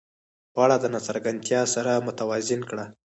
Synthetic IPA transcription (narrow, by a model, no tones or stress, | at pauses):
paɽad̪ənat͡saɾɡant̪jɑsaɾamʊt̪awɑzɪnkɽa